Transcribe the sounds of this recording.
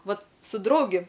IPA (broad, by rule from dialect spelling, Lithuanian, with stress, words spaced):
ˈʋɐt sʊ ˈdrɐʊɡʲɪ